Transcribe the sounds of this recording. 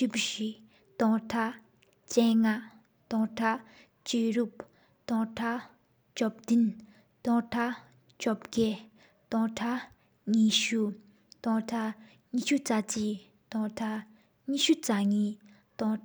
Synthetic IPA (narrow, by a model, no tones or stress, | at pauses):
ipɕiʔ | t̪ɔŋʈ͡ʂʰaʔ | t͡ɕɛːŋa | t̪ɔŋʈ͡ʂʰaʔ | t͡ɕeːɹup̚ | t̪ɔŋʈ͡ʂʰa | t͡ɕɔp̚d̪in | t̪ɔŋʈ͡ʂʰaʔ | t͡ɕɔp̚ɡɛː | t̪ɔŋʈ͡ʂʰa | ɲiːɕu | t̪ɔŋʈ͡ʂʰa | ɲiːɕut͡sat͡ɕiː | t̪ɔŋʈ͡ʂʰa | ɲiːʔɕut͡saɲiː | t̪ɔŋ